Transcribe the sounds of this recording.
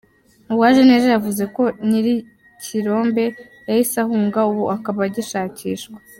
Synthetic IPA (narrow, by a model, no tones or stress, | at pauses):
uwaʒeneʒejavuze̞ko̞niɾi | cʰiɾo̞ːmbe̞ | jahisahuːŋɡauβuʔakaβaɟiʃaːciːʃkwḁ